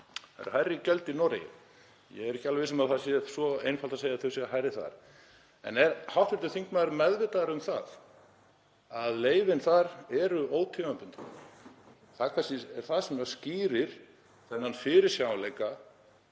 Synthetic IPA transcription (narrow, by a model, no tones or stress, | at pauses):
θa̰ɾ̰̥hajɾɪcœlt̪inɔɾḛjɪ̰ | jɛ̰ɣɛɾɛhcɪalveɪsʏmaðθasjɛsɔeːjnfalt̪aseːjaθœsjɛɦajɾɪθa̰ɾ̥ | ɛ̰nɛɾhawht̪vɪɾ̥t̪ɪθiŋkmaðɾmɛðvɪt̪aɾʏmθa̰ð | aðleːjvɪnθaɾɛɾʏoːwt̪ʰivampʏnt̪ | θaðkʰvanscɪɛɾ̥θasɛmasciːɾɪɾ̥ | θɛnːanfɪɾɪɾ̥sjawlejka